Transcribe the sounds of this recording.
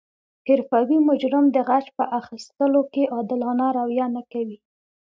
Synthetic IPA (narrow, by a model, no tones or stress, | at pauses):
hɪɾfɑwimʊd͡ʒɾɪmd̪əɣat͡ʃpəʔaxist̪əlokeʔɑd̪ɪlɑnaɾawjɑnakawi